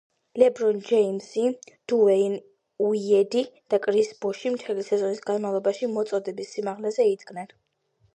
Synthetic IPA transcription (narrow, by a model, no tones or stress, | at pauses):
lɛbɾɔnd͡ʒɛimsid̪̥uɛin | uiɛd̪id̪̥akʼɾisbɔʃimt̪ʰɛlisɛzɔnisɡanmavlˠɔbaʃimɔt̪sʼɔd̪ɛbisːimaʁlɛzɛid̪ɡnɛn